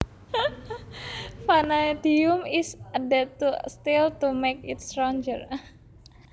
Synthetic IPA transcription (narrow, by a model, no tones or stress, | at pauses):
fanajt̪iumisadɛt̪ust̪ilt̪umekḭt̪̚st̪ɾɔɲd͡ʒər